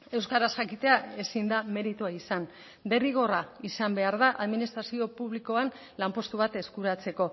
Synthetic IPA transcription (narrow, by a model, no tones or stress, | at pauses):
e̞wskaɾasʝakit̪e̞ae̞sind̪ame̞ɾit̪uaisan | d̪e̞riɣ̞o̞raisambe̞aɾðaʔaðminist̪ɾasio̞puβliko̞an | lampo̞st̪uβ̞at̪e̞skuɾat͡se̞ko̞